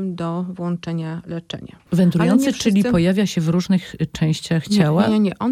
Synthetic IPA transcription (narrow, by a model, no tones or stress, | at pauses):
md̪ɔvwɔnt͡ʂɛɲalɛt͡ʂɛ̰ɲa̰vɛnt̪ɾujɔnt̪sɨt͡ʂɘlʲipɔjavʲjaɕɛvɾuʐnɘxt͡ʂɛ̃w̃ɕt͡ɕaxt͡ɕawaaɲɛʔɔn